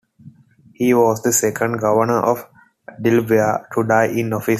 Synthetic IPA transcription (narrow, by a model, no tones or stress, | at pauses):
hiːʋɔːzd̪əsɛkə̃ɳɖɡʌʋəɾnəɾʔɔʋ | ɖɪlʋiaʈʰuɖaɪʔɪ̃nɔfis